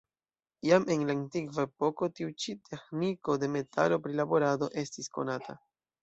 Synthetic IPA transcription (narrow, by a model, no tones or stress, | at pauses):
jame̞nlantikvae̞po̞ko̞tiut͡ʃitʰe̞xniko̞de̞me̞ta̰lo̞pɾilabo̞ɾado̞ʔe̞stisko̞̰natʰa̰